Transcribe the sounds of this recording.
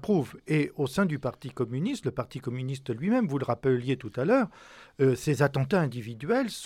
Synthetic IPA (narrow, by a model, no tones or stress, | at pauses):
pχuveosɛ̃d̪ypaʁt̪ikɔmynist̪ləpaʁt̪ikɔmynist̪lɥimɛmvuləʁapljet̪ut̪alœːʁ | øsezat̪ɑ̃t̪aɛ̃d̪ivid̪ɥɛls